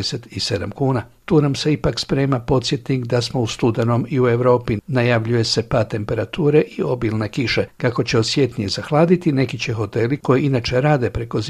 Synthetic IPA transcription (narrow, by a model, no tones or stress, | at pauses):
eset̪ise̞d̪a̰mkuːnat̪uːnamse̞ipakspɾe̞ːmapo̞t̪sje̞t̪nikd̪asmoust̪ud̪e̞no̞miue̞ʋɾo̞ːpinajaʋʎuje̞se̞pat̪e̞mpe̞ɾat̪uːɾe̞ʔio̞bilˠne̞kiʃe̞kako̞t͡ɕe̞osje̞t̪nijezaxlˠaːd̪it̪ine̞kit͡ɕe̞xo̞t̪e̞liko̞jiinat͡ʃe̞ɾaːd̪e̞pɾe̞ko̞z